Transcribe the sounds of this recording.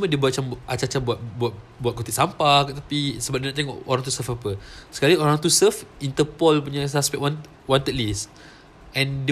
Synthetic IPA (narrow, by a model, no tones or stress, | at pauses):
smədiəbuat̚t͡ʃamat͡ʃat͡ʃabuat̪̚buat̪̚ | buat̪̚kot̪iʔ̚sampakt̪apisəbap̚diənɔ̃ʔt̪ɛ̃ŋkoɾãŋt̪usəfapəsə̥kaɾioɾaŋt̪usəfint̪əpɔlpuɲasaspɛʔwan | want̪ət̪̚lis | ʔɛ̃nd